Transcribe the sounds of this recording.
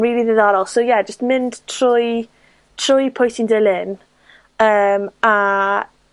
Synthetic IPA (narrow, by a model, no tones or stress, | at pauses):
riːlˠiðəðɔɾɔlˠsowjɛd͡ʒəstmɪnd̥tʰr̥ʊj | tʰr̥ʊjpʰʊjtindɛlˠɪn | əːma